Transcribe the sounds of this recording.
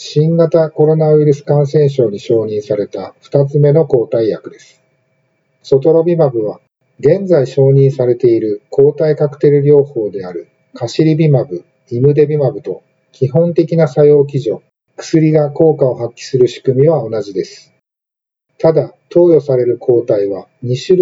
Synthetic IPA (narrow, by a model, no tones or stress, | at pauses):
ɕĩŋɡat̪ako̞ɾo̞naβɯ̟iɾɯ̟sɨ̥kãɰ̃sẽ̞ɰ̃ɕ̬o̞ːɲ̟iɕo̞ːɲ̟ĩɰ̃saɾe̞t̪aɸɯ̟̥t̪at͡sɨme̞noko̞ːt̪aijakɯ̟d̪e̞sɨ̥ | so̞t̪o̞ɾo̞bʲimabɯ̟β̞a | ɡẽ̞nd͡zaiɕo̞ːɲ̟ĩɰ̃saɾe̞t̪e̞iɾɯ̟kʰo̞ːt̪aikakɯ̟̥t̪e̞ɾɯ̟ɾʲo̞ːho̞ːd̪e̞aɾɯ̟ | kʰaɕiɾʲibʲimabɯ̟ | imɯ̟d̪e̞bʲimabɯ̟t̪o̞ | kʲiɦõ̞nt̪e̞kʲinasajo̞ːk̬ʲiʑo̞ | kɯ̥sɨɾʲiɡako̞ːkao̞ɦakʲːi̥sɨɾɯ̟ɕi̥kɯ̟mʲiβao̞naʑid̪e̞sɨ̥ | t̪ad̪at̪o̞ːjo̞saɾe̞ɾɯ̟kʰo̞ːt̪aiβaɲ̟iɕɨɾ